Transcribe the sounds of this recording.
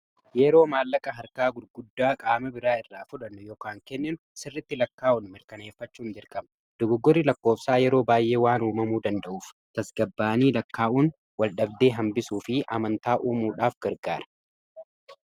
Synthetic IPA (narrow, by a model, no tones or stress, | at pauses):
jɛɾo̞ːmaːlːɐkʼɐɦɐɾkaːɡʊɾɡʊd̪ːaːkʼaːmɐbɪɾaːɪrːaːfʊᶑɐnːʊjoːkaːŋkɛnːɪnʊsɪrːɪt̪ːɪlɐkːaːʊnmɪɾkɐne̞ːfːɐt͡ʃːuːnd͡ʒɪɾkʼɐmɐ | d̪̥ʊɡʊɡːɔɾːɪlɐkːo̞ːfsaːjɛɾo̞ːbaːjʔe̞ːwaːnuːmɐmuːd̪ɐnd̪ɐʔuːf | t̪ɐsɡɐbːaːniːlɐkːaːʔuːn | wɐlɗɐb̚d̪e̞ːɦɐmbɪsuːfɪʔɐmɐnt̪aːʔuːmuːᶑaːfɡ̥ɐɾɡaːɾɐ̥